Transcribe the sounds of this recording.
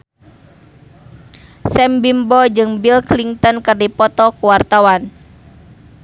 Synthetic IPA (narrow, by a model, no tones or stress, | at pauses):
sɛmbimbɔd͡ʒɨŋbilkliŋt̪ɔnkɨrdipɔt̪ɔkuwart̪awan